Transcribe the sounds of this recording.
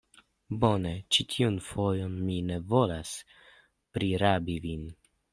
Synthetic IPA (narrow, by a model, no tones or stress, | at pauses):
bo̞net͡ʃitʰiunfojonmine̞vo̞las | pɾiɾabivin